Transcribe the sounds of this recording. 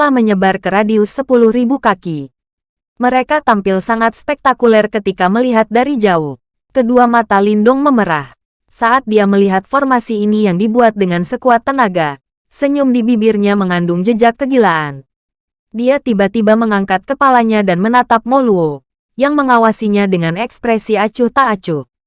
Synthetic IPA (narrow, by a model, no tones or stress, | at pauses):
t̪əlahməɲəbarkəɾadiʊsəpulʊhribukaki | məɾekat̪ampɪlsaŋat̪̚spɛk̚t̪akulɛrkət̪ikaməliɦat̪̚daɾid͡ʒauh | kəduamat̪alindɔŋməməɾah | saʔat̪̚diaməliɦat̪̚fɔrmasiːnijaŋdibuat̪̚dəŋansəkuat̪ːənaɡa | səɲʊmdibibɪrɲaməŋandʊŋd͡ʒəd͡ʒakːəɡilaʔan | diat̪ibat̪ibaməŋaŋkat̪̚kəpalaɲadanmənat̪ap̚moluo | jaŋməŋawasiɲadəŋanɛkspɾɛsiat͡ʃʊht̪aːt͡ʃʊh